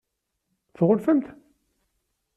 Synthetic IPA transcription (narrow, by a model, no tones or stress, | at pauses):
θʁʊlfəmt̪